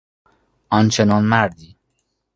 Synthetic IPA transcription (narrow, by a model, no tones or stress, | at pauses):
ɒnt͡ʃʰenɒnmæɾd̪iː